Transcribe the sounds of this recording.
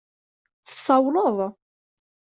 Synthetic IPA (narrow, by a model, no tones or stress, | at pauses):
θə̥sˤːɑwləðˤ